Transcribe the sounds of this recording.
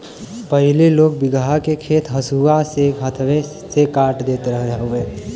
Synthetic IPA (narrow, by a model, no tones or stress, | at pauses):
pəɦɪleloːk̚bɪɡɦakekʰeːt̪ʰɦəsuaseət̪ʰʋe | sekaːɾʈd̪eːt̪eɾəɦeɦoeː